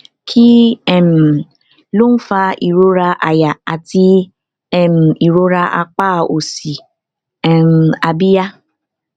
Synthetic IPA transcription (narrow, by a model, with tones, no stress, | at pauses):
kʰi˦ɛ˨m˨ | lo˦m̩˦fa˦i˨ɾo˦ɾa˦ʔa˨ja˨a˨ti˦ | ɛ˨m̩˨i˨ɾo˦ɾa˦ʔa˦k͡paː˦˨o˨si˨ | ɛ˨m̩˨a˨bi˦ja˦